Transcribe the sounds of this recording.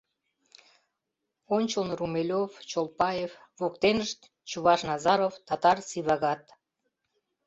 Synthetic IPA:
onʲt͡ɕolnrumelʲovt͡ɕolˠpɑjevvokt̪enəʃt̪ | t͡ɕuβɑʃnɑzɑɾovt̪ɑt̪ɑrsiβɑɣɑt̪

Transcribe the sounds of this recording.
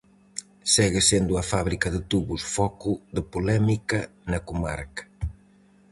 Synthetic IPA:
sɛɣɪsend̪uɐfaβɾikɐðɪt̪uβusfɔkʊðəpulɛmikɐnɐkuma̰ɾkɐ̥

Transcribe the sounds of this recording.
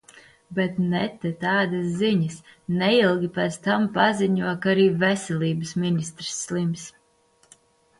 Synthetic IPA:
bɛt̪nɛt̪ɛt̪aːd̪asːiɲəsnɛilˠɡʲipɛt̪st̪ampaziɲuɔkaɾiːvɛsʲɛlʲiːbɨsminʲist̪ɾɨ̥sːlˠims

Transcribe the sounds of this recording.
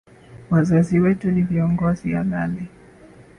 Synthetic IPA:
wazaziwɛtuniviɔŋɡɔzija̰lalɛ

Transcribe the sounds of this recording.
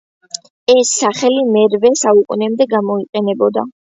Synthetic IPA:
ɛsːaχɛlimɛɾvɛsaukʼunɛmd̪ɛɡamɔiqʼɛnɛbɔd̪a̰

